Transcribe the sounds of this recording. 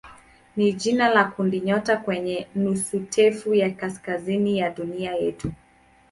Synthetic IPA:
niʄinalakundiɲɔtakwɛɲɛnusutʰɛfujakaskazinijaɗuniajɛtu

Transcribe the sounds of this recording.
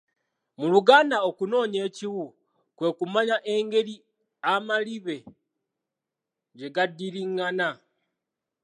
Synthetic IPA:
muluɡaːnao̞kuno̞ːɲe̞ːciwu | kwe̞ːkumaɲaʔeŋɡe̞ɾi | amaliβe̞ | ɟe̞ɡadːiɾiŋːana

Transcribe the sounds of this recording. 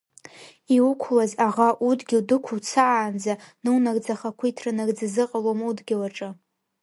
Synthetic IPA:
iwukʷʰlazaʁaʔudɡʲɪwdɨkʷʰuwt͡sʰaːnd͡zanɨwnaɡd͡zaχakʷʰʊitʰrɨnaɡd͡zazɨqʼalomudɡʲɪlaʈ͡ʂʼɨ

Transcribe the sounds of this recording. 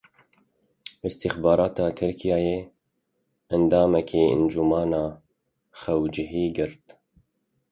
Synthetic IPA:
ɨst̪ɪxbɑːɾɑːt̪ʰɑːt̪ʰɨɾkʰijɑːjeː | ænd̪ɑːmɛkʰiːɨ̰nd͡ʒumɑːnɑː | xɛwd͡ʒɪɦiːɡɨɾt̪

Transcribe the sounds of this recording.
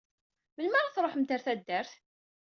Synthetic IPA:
mənmaɾˤaθɾˤoħmt̪əɾθæd̪ːæɾθ

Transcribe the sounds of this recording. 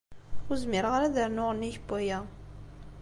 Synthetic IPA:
ʊzmɪɾʁaɾæðəɾnʊʁənːiçbæjæ

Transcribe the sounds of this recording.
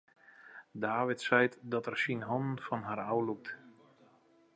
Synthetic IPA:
daːʋɪtsɛjtdɔtɛrsinɦɔnən̩fɔnɦarawluk̚t

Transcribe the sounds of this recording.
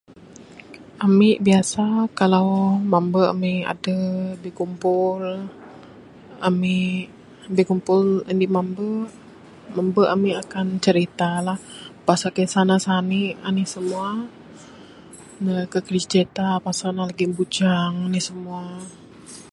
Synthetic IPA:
amɪʔbiasakalawmambəa̰mia̰dəbihkumpʊl | amɪʔ | bekumpʊlndimambə | mambəʔamiʔakant͡ʃəɾit̪alahpasakesanasaniʔanisəmua | nəkəkɾit͡ʃet̪apasanalaɡibud͡ʒaŋanisəmua

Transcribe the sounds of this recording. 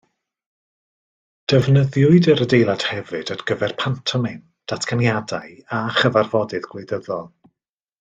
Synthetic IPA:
d̥əvnəðjʊɨdəɾədejlˠad̥hɛvɨdədɡ̥əvɛrpʰantʰɔmɪn | d̥atʰkʰanjadajaχəvarvɔdɨðɡ̥lejdəðɔlˠ

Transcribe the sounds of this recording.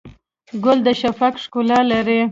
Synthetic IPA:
ɡʊld̪əʃafakʂkʊlɑlaɾe

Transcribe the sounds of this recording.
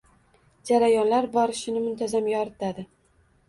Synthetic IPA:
d͡ʒaɾajɒnlaɾbɒɾɪʃɪnɪmʊnt̪ʰazamjɒɾɪt̪ʰad̪ɪ

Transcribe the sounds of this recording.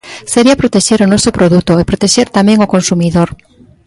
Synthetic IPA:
seɾiɐpɾot̪eʃeɾonɔsopɾoðut̪oepɾot̪eʃeɾt̪amɛ̃ŋokonsumiðoɾ

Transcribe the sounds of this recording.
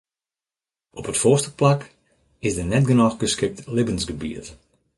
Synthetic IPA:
ʔɔpətfɔstəplak | ɪsdənɛtɡənɔxɡəskɪk̚tlɪbənsɡəbiət

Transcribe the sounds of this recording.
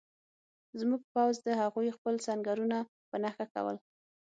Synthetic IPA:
zmuɡ̚pawzd̪əhaɣujxpəlsaŋɡaɾuna | pənaxaka̰wə̰l

